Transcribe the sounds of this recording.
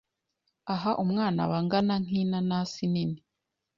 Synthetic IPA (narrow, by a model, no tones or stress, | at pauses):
aɦaʔumŋaːna̰βaŋɡanaŋ̥iːnanasinini